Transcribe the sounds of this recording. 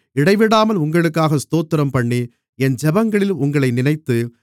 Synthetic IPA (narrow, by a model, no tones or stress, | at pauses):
ɪɽɐɪʋɪɽaːmɐlʊŋɡɐɭɯkːaːɣɐst̪oːt̪ːɪɾɐmpɐɳːi | ɛnd͡ʒɛbɐŋɡɐɭɪlʊŋɡɐɭɐɪnɪnɐɪt̪ːɯ